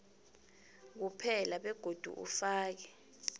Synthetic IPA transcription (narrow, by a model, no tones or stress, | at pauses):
k̬upʰɛlaɓɛɡ̥ʱod̥ʱṵʔṵfaːk̬ɛ